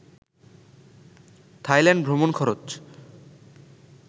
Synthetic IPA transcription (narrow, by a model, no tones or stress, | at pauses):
t̪ʰajlɛɳɖbʱɾomonkʰɔɾot͡ɕ